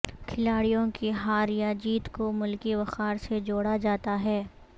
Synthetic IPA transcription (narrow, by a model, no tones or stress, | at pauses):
kʰɪlaːɽijõkiɦaːɾjad͡ʒiːt̪komʊlkiʋɐxaːɾsed͡ʒoːɽad͡ʒaːt̪aɦɛː